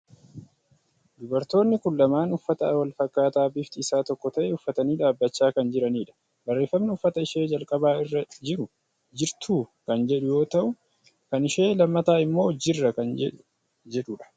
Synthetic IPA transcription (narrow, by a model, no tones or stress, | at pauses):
d̪ʊbɐɾt̪o̞ːnːɪkʊlːɐmaːnʊfːɐt̪ɐwɐlfɐkːaːt̪aːbɪft̪ɪːsaːt̪ɔkːɔt̪ɐʔɛʊfːɐt̪ɐniːᶑaːbːɐt͡ʃːaːkɐnd͡ʒɪɾɐniːᶑɐ̥ | bɐrːe̞ːfːɐmnɪʊfːɐt̪ɐɪʃe̞ːd͡ʒɐlkʼɐbaːɪrːɐd͡ʒɪɾʊ | d͡ʒɪɾt̪ʰuːkɐnd͡ʒɛᶑʊjo̞ːt̪ɐʔʊ | kɐnɪʃe̞ːlɐmːɐt̪aːɪmːo̞ːd͡ʒːɪrːɐkɐnɛ | d͡ʒɛᶑʊᶑɐ̥